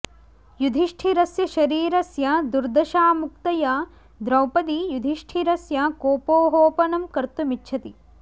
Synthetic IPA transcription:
jud̪ʱiʂʈʰiɾɐsjɐʃɐɾiːɾɐsjɐd̪uɾd̪ɐʃaːmuk̚t̪ɐja | d̪ɾɐwpɐd̪ijud̪ʱiʂʈʰiɾɐsjɐkoːpoːɦoːpɐnɐmkɐɾt̪umitːʃʰɐt̪i

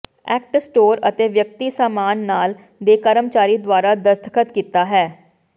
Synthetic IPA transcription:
ɛ̰ːk̚ʈsʈoːɾət̪eːʋjək̚t̪iːsaːmaːnːaːl | d̪eːkəɾəmt͡ʃaːɾiːd̪waːɾaːd̪əst̪ʰəkʰət̪kiːt̪aːɦɛː

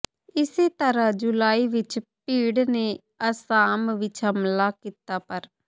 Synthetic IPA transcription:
ɪseːt̪əɾãːd͡ʒulaːiːʋɪt͡ʃpiːɽneː | əsaːmʋɪt͡ʃɦəmlaːkiːt̪aːpəɾ

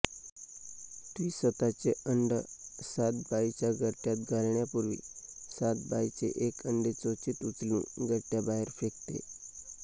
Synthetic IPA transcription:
t̪ʋiːsət̪at͡seəɳɖəsat̪bajt͡ɕjaɡʱəʈjat̪̚ɡʱalɳjapuɾʋḭːsat̪̚bajt͡sḛʔekəɳɖet͡sot͡sit̪ut͡slṵ̃ːɡʱəʈːjabaɦeɾfekt̪ḛ

